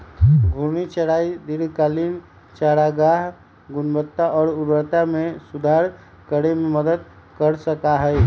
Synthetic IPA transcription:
ɡʱuɾnit͡ʃəɽaːid̪ɪɾkaːliːn | t͡ʃaːɾaɡaːɦ | ɡʊnbət̪ːaʔɔːɾʊbəɾt̪amẽsʊd̪ʱaːɾ | kəɾemẽməd̪əd̪̚ | kəɾsəkaɦɛɛ

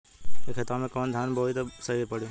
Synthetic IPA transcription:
ekʰet̪ɾamẽkɔːnd̪ʱanbʱoit̪səɦipəɽ̤jũ

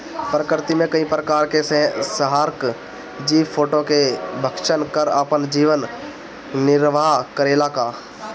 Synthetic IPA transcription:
pɾəkəɾt̪imẽkəĩpɾəkaːɾkesẽsəɦaːɾk | d͡ʒiːʋpʰoːʈokebʱəkʃənkəɾapənd͡ʒiːʋən | nɪɾʋakəɾeːlakaː

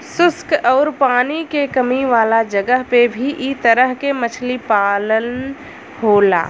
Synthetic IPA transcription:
sʊskɔːɾpaːnikekəmiʋaːlad͡ʒəɡəɦpebʱiʔit̪əɾəɦkemət͡ʃʰlipaːlən | ɦoːla̰ː

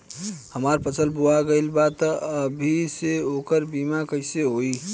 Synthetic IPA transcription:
həmaɾpət͡ʃʰəlbuaɡəɪlbat̪əbʱiseokəɾbimakəɪseɦoi

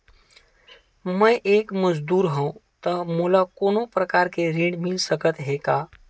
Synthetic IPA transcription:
məjʔekməd͡ʒd̪uɾɦə̃ũt̪əmulakonopɾəkaɾkeɾĩɽmilsəkət̪ɦeka

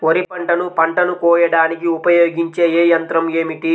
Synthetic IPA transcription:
oɾipɐɳʈɐnupɐɳʈɐnukɔːjɐɽaːnikiupɐjoːɡiɲt͡ʃe̞ːeːjɐnt̪ɾɐme̞ːmiʈi

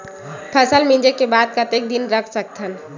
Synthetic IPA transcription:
pʰəsəlmĩd͡ʒekebaːd̪̚kət̪ek̚d̪ɪnɾəkʰsək̚t̪ʰən

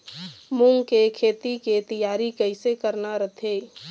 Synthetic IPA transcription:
mʊŋɡkekʰeːt̪iket̪əjaːɾikəɪsekəɾnaɾət̪ʰeː

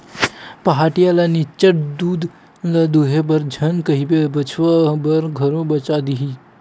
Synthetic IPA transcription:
pɐɦaːʈijalanit͡ʃəʈd̪uːd̪ | lad̪uɦebɐɾd͡ʒʱənkəɦibebɐt͡ʃʰʋabɐɾɡʱəɾõbɐt͡ʃad̪iɦi

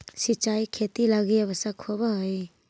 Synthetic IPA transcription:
sit͡ʃajkʰet̪ilaɡijabasakʰobaɦɔj

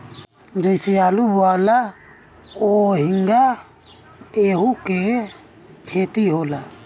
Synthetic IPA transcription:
dijsialuβwala | ohiŋɡa | ehuke | het̪ihola

